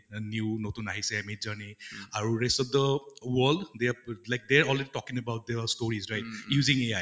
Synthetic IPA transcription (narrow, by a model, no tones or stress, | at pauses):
njunotunaɦisɛmitzaniaɹuɹɛstɔfd̪əwəldd̪ealajk̚d̪ɛɹɔlɹɛditɔkĩŋəbawt̚d̪əstoɹizɹajt̚juzĩŋea